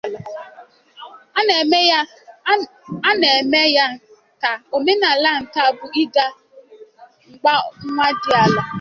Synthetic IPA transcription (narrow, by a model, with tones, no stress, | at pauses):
a˦ne˨e˨me˦ja˦n˨ | ta˨o˨me˦na˨la˦n̩˨ta˦˨bʊ˨i˦da˦ | ŋ͡m̩˨k͡pa˦ŋ̩˦ŋʷa˦dɪ˨a˨la˨